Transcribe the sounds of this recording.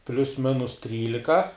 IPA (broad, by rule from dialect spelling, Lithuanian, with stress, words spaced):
pʲlʲʊs ˈmʲɪnʊs ˈtʲrʲiːlʲɪkɐ